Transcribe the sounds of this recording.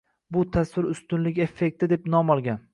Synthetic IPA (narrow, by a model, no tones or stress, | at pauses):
bʊt̪ʰaswɪɾʊst̪ʊnlɪɡʲe̞fːek̚ʲt̪ɪd̪e̞pnɒmɒlˠɡʲan